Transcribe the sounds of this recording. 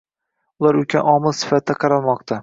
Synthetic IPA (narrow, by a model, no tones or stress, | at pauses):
ʊlˠaɾʊkʲʰanɒmɪlˠsɪ̥fat̪̚ːaqʰɑɾalˠmɒqt̪ʰa